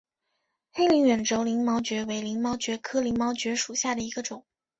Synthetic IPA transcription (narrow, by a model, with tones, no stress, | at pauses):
xe˥ɪli˧˥ŋɥɛ˨˩nʈ͡ʂo˥ʊli˧˥ŋmɑ˧˥ʊt͡ɕɥɛ˧˥we˧˥ɪli˧˥ŋmɑ˧˥ʊt͡ɕɥɛ˧˥kʰɤ˥li˧˥ŋmɑ˧˥ʊt͡ɕɥɛ˧˥ʂu˨˩ɕja˥˩d̪ə˩i˧˥ɡə˧ʈ͡ʂʊ˨˩˦ŋ